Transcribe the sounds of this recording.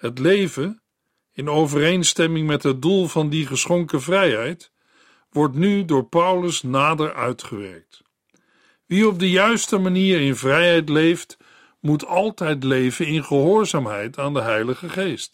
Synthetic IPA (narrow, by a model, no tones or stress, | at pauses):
ɦətlejvən | ɪnowvərejnstɛmɪŋmɛtɦəd̚dulˠvɑndiχəsχɔŋkəvrɛjɦɛjt | ʋɔɹtnydʊːɹpʌwləsnaːdəɹʔœ̰ɥtχəʋɛ̰ɹk̚t | ʋiɔb̚dəjœɥstəmaniːɹɪnvrɛjɦɛjtlejft | mutɑlˠtɛjtlejvənɪnχəɦʊːɹzaːmɦɛjtaːndəɦɛjləχəχejst